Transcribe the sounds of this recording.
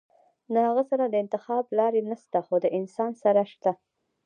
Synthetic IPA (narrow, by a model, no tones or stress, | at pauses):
lahaɣəsaɾad̪əɪnt̪ɪxɑblɑɾenaʃt̪axod̪əʔɪnsɑnsaɾaʃt̪a